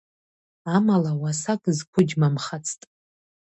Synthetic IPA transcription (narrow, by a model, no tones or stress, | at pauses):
amalawasakʼɨzkʷʰʊd͡ʒmamχat͡sʰtʼ